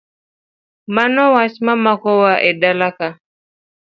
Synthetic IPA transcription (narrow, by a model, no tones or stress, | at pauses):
manɔwasmamakɔwaʔɛɗalaka